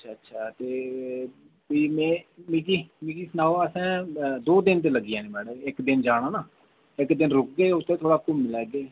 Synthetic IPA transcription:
ətʃʰaːətːʃʰaːt̪eː | piːmɛ̃ːmiːk̬iːmiːkiːsnaːoəsɛ̃ːd̪oːd̪ɪnt̪̬eːləɡːijãːnẽːmɛːɽəɪkd̪ɪnd͡ʒaːɽ̃ãːnaː | ɪkd̪ɪnɾʊk̚ɡeːʊt̪ʰːẽːt̪ʰoːɽaːkʊmmɪlɛːɡeː

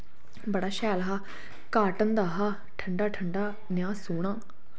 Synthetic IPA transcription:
bəɽaːʃɛːlɦaː | kaːʈənd̪aːɦaː | ʈʰəɳɖaːʈʰəɳɖaː | njaːsoːɽ̃ãː

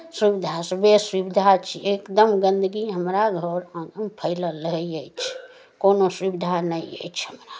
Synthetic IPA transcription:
swibid̪ʱasbesʋibid̪ʱat͡ʃʰiekd̪əmɡə̃nd̪əɡiɦəmɾaɡʱəɾəmpʰəɪlələɦiəjt͡ʃʰ | konoswibid̪ʱanəiḛt͡ʃʰhəmɾa

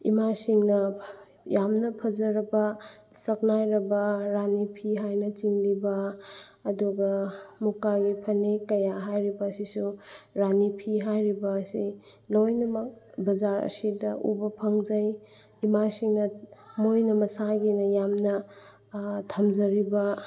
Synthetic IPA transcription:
ḭmasiŋnɐ | jamnɐpʰɐzɐɾɐbɐ | sɐk̚najɾɐbɐɾanipʰiɦajnɐt͡ʃiŋlibɐː | duɡɐmukaɡipʰɐnekɐjaɦajɾibɐːsisuɾanipʰiɦajɾibɐːsi | lojnɐmɐk̚bɐzaɾɐ̰sidɐʔṵbɐpʰɐŋd͡ʒɐj | imasiŋnɐmojnɐmɐsaɡinɐjamnɐ | tʰɐmd͡ʒɐɾibɐ

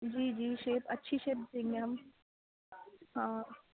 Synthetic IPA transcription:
d͡ʒiːd͡ʒiːʃeːpɐtːʃʰiʃeːp̚sẽːŋɡeɦɐm | ɦãː

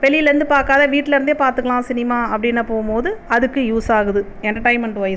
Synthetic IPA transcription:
ʋɛɭɪjɪlɐɾɯnd̪ɯpaːɾkaːðɐʋiːʈːɪlɐɾɯnd̪eːpaːɾt̪ɯkːɐɭãːsɪnɪmaːɐpːɐɽɪnːɐpoːɣmpoːðɯɐðɯkːɯjuːsaːɣɯðɯ | ɛnʈɐʈɐɪmɐɳʈʋɐj

